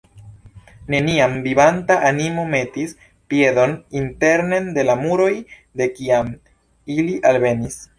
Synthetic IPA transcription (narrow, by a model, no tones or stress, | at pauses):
ne̞niamvibantaʔanimo̞me̞tis | pie̞do̞ninte̞ɾne̞nde̞lamuɾo̞j | de̞kiam | iliʔalve̞nis